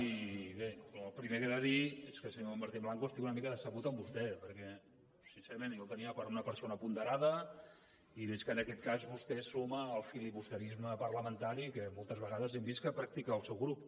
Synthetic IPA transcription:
iβeləlˠpɾimekeðəðieskəsəɲoambəɾt̪imblaŋkoəst̪ikunəmikəðəsəɣut̪əmbust̪ɛpəɾkɛ | sinseɾəmenjowt̪əniəpəɾunəpəɾsonəpund̪əɾaðə | iβɛt͡ʃkənəkɛt̪̚kazβust̪ɛsoməːlˠfilipust̪əɾizməpəɾləmənt̪aɾikəmolˠt̪əzβəɣaðəzɛmbiskəpɾək̚t̪ikəːlˠsɛwɣɾup

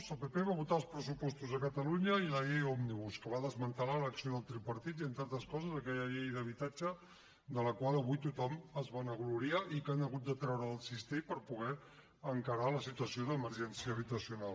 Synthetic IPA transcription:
zəlˠpepeβaβut̪aəlˠspɾəsupɔst̪uzəkət̪əluɲəiləeɔmniβuskəβaðəzmənt̪əlaləksioðəlˠt̪ɾipəɾt̪it̪iənt̪aɾt̪əskɔzəzəkɛʎəʎɛjðəβ̞it̪ad͡ʒə | d̪ələkwalˠəβujt̪ut̪ɔməzβanəɣluɾiaʔikanəɣut̪̚d̪ət̪ɾɛwɾəːlˠsist̪ipəɾpuɣ̞ɛ | əŋkəɾaləsit̪uəsioðəməɾʒɛnsiəːβ̞it̪əsiunal

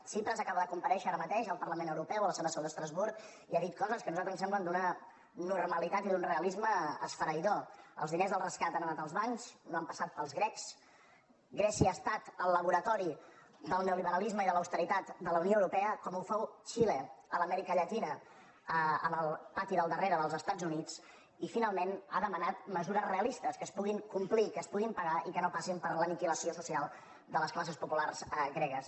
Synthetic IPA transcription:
sempɾənzəkaβəðəkumpəɾɛʃəaɾəmət̪eʃəlˠpəɾrləmenəwɾupɛwələsɛwðəsɛwðd̪əst̪ɾəzβuɾk | iaðit̪̚kɔzəskənuzalt̪ɾənsɛmblənd̪unə | nurməlit̪at̪iðunreəlizməəsfəɾəjðɔə̰lˠzðinezðəlˠrəskat̪anənat̪əlˠzβaɲznoampəsat̪̚pəlˠzɣɾɛks | ɡɾɛsiəːst̪at̪ələβuɾət̪ɔɾi | d̪əlˠnəwliβəɾəlizməiðələwst̪əɾit̪at̪d̪ələunioəwɾupɛəkɔmufɛwt͡ʃileələmɛɾikəʎət̪inə | əə̰məlˠpat̪iðəlˠd̪əreɾəðəlˠzəst̪ad͡zunid͡z | ifinalˠmena̰ðəmənat̪məzuɾəzreəlist̪əskəːspuɣiŋkumplikəːspuɣimpəɣaikənopasimpəɾləmikiləsiosusialˠ | d̪ələsklas̬əspupularzɣɾɛɣəs

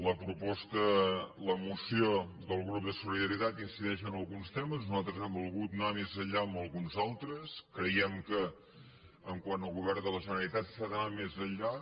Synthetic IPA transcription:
ləpɾupɔst̪ələmusio | ðəlˠɣɾup̚d̪əsuliðəɾit̪at̪insiðɛʃənəlˠɣunst̪ɛməznuzalˠt̪ɾəzɛmbulˠɣut̪namezəʎaəməlˠɣunzalˠt̪ɾəskɾəjɛmkə | əŋkwanəlˠɣuβɛrnd̪ələʒənəɾəlˠit̪at̪saðənamezəʎːa

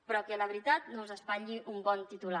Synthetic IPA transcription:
pɾɔkeləβɾit̪at̪nowzəspaʎiʔumbɔnt̪it̪ula

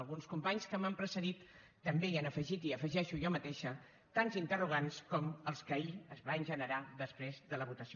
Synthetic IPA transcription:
lˠɣunskumpaɲskəməmpɾəsəðit̪ː | əmbeianəfəʒit̪iəfəʒɛʃujɔmət̪eʃə | t̪anzint̪əruɣ̞anskɔməlˠskəiəzβanʲʒənəɾaðəspɾezðələβut̪əsi

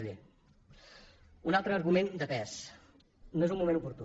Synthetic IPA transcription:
ʎe | unalˠt̪ɾəːɾɣumend̪əpɛs | noezumːumẽnupuɾt̪u

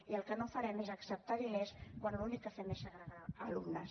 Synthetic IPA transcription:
iəlˠkənofəɾɛmezəksəp̚t̪aðimeskwanlunikːəfɛmeʃəɣɾaðaəlumnəs

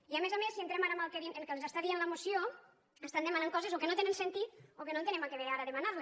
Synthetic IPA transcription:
iamezamesiənt̪ɾɛmaɾamalˠkeðineŋkelˠzast̪aðienləemusio | əst̪and̪emanaŋkɔzezokenot̪enensent̪it̪̚okenõnt̪enɛmakeβeɾaɾaðemanaɾle

